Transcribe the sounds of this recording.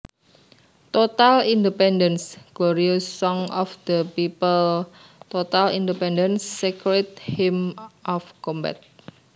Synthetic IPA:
t̪ot̪alindəpɛndənsɡ̥loɾiosːɔŋɔfd̪̥əpipəl | t̪ot̪alḭndəpɛndənsːekɾet̪̚himɔfkɔmbɛ̰t̪̚

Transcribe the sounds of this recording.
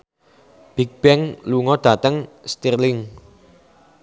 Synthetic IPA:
b̥ik̚b̥ɛŋluŋɔd̥ä̤t̪əŋst̪irlɪŋ

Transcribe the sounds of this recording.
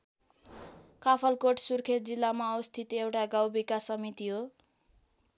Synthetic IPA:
kapʰʌlkoʈsurkʰet̪̚d͡zilːamaʌwst̪ʰit̪ewʈaɡawbikasʌmit̪iɦo

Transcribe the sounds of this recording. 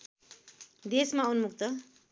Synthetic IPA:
d̪esmaunmukt̪ʌ

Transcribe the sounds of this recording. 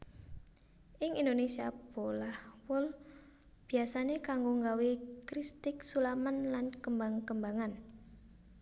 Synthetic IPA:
ʔɪŋind̪onesiab̥olahwʊl | b̥i̤asanekaŋɡoŋɡawikɾist̪ɪksulamanlankəmbaŋkəmbaŋan

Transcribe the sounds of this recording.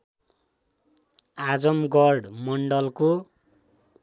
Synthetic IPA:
ad͡zʌmɡʌrɖmʌɳɖʌlko

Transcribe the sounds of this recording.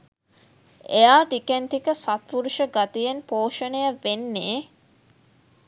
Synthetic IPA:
ejaːʈikent̪ikəsat̪̚puɾuʃəɡat̪ijenpoːʃənejaʋenːeː

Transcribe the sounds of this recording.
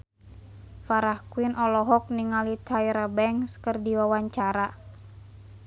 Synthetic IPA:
faɾahkwinʔɔlɔɦɔk̚niŋalit̪ʰaiɾabɛŋskərdiwawaɲt͡ʃaɾa

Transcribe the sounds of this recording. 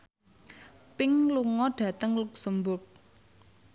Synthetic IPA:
pɪŋluŋɔɖ̥ä̤t̪əŋluk̚səmbʊk̚

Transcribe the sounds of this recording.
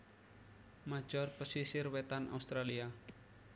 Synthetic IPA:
mat͡ʃɔrpəsisiɾwet̪anʔa̰ust̪ɾalia

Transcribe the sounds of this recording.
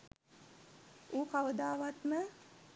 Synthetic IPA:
uːkaʋəd̪aːʋat̪mə

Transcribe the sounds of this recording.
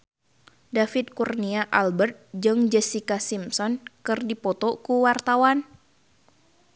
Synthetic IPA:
dafit̪̚kurniaʔalbərt̪̚d͡ʒɨŋd͡ʒɛsikasimsɔnkɨrdipɔt̪ɔkuwart̪awan

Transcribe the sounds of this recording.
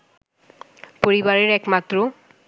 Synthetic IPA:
poɾibaɾeɾɛkmat̪ːɾo

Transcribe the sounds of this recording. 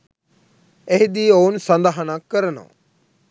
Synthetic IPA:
eɦd̪iːoːnsãnd̪aɦanãːkəɾnõ̰ː

